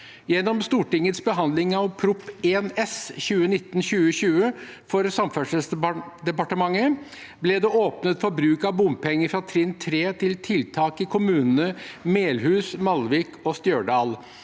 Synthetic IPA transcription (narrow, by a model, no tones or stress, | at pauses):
jɛnːɔmst̪uːʈɪŋːət̪sbəɦɑnd̪lɪŋɑʋpʰɾʊpːeːnɛsçʉːənɪt̪ːn̩ɕʉːəɕʉːəfɔɾsɑmfœʂəsd̪ɛpɑʈəmɑŋːə | blɛd̪ɛoːpnət̪fɔɾbɾʉːkɑʋbʊmpʰɛŋːəfɾɑt̪ʰɾɪnt̪ʰɾeːt̪ʰɪlt̪ʰɪlt̪ʰɑːkɪkʰʊmʉːnənəmeːlhʉːsmɑlʋiːkʰɔst̪jøːɖɑːl